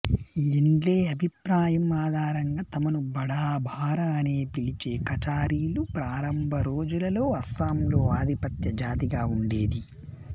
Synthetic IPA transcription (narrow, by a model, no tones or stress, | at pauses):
iɳɖleːɐbʱipɾaːjɐmaːd̪ʱaːɾɐŋɡaːt̪ɐmɐnubɐɽaːbʱaːɾaɐneːpilit͡ʃe̞ːkɐt͡ʃaːɾiːlupɾaːɾɐmbʱɐɾo̞ːd͡ʒulɐlo̞ːɐsaːmlo̞ːaːd̪ʱipɐt̪jɐd͡ʒaːt̪̬iɡaːuɳɖe̞ːd̪i